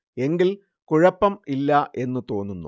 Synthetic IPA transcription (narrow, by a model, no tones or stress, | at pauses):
e̞ŋɡil | kuɻɐpːɐmilːɐʔe̞nːɨt̪o̞ːnːunːṵ